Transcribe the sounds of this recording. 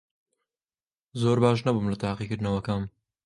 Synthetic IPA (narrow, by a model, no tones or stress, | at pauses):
zoːɾbaːʃ̬nɐbuːmlɐt̪ʰaːqiːkɨɾd̪ɨnɐwɐkaːm